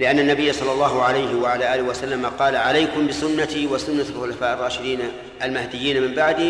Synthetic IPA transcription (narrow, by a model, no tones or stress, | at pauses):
lɪʔanːanːabɪjːasˤɑlːɑlːɑːɦʊʕalajhɪwaʕalaːʔaːlɪhwasalːamaqɑːlaʕalajkʊmbɪsʊnːat̪iwasʊnːaxxʊlafaːʔɑrˤːɑːʃɪd̪iːn | almahd̪ɪjːiːnmɪmbaʕd̪i